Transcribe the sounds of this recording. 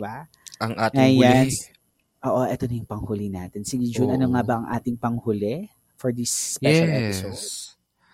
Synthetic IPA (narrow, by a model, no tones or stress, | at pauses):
ɪba | ʔɐŋʔaːtʔɪajan | ʔoːʔoʔɛt̪onɐjʊŋpɐŋhʊlinaːt̪ɛnsɪɡɪd͡ʒunʔɐnoŋabɐʔɐŋʔa̰ːt̪ɪŋpɐŋhʊlɛ | fɔɹd̪iːsːpɛʃɐllʔɛpɪsos